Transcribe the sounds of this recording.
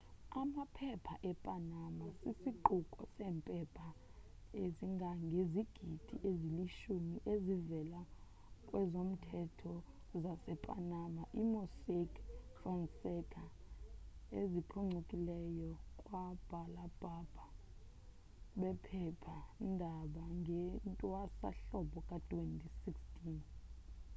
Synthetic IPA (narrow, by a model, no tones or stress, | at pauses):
amapʰɛpʰaʔɛpʼanamasisiǃukʼɔ̰sɛːmpʼɛpʰa | eziŋɡʱaŋɡʱeziɡ̥ʱid̥ʱiʔeziliʃumiʔezivɛla | kʼwɛzom̩tʰɛtʰɔ | zasɛpʼa̰namaʔimosekfrɔnsɛkʰa | ezipʰuŋ͡ǀʱukʼilɛjɔkʼwab̥ʱalab̥ʱab̥ʱa | ɓɛpʰɛpʰandʱaɓaŋɡʱɛntʼwasa̰ɬɔɓɔkʼatʰʼwentʼisikstʼiːn